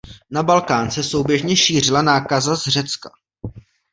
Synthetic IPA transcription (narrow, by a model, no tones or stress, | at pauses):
nabalkaːnsɛso̞wbjɛʒɲɛʃiːr̝ɪlanaːkazazr̝ɛt͡ska̰